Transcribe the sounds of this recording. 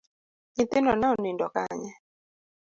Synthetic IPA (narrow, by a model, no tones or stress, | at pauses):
ɲit̪ɪnɔnaɔnindɔkaɲɛ